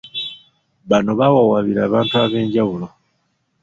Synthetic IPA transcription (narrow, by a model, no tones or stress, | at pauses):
βano̞βawawaβiɾaːβaːntuaβe̞ːɲɟawulo